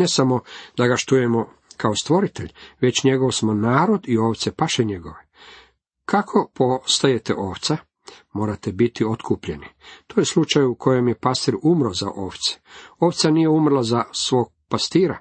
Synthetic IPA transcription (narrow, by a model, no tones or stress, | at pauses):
nesamo̞d̪aɡaʃt̪ujemo | kaost̪ʋo̞ɾit̪eʎʋe̞t͡ɕɲe̞ɡo̞ʋsmonaːɾo̞d̪ioːʋt̪sepaʃeɲe̞ɡo̞ʋe | kʰakʰo̞post̪aje̞t̪ḛʔoːʋt̪sa | mo̞ːɾat̪ebit̪iot̪kʰupʎe̞nit̪oje̞slˠut͡ʃajukʰo̞je̞mje̞past̪iɾumɾoza̰ʔo̰ːʋt̪se̥o̞ʋt̪sanijeumrlazasʋo̞ːɡ̚past̪iːɾa̰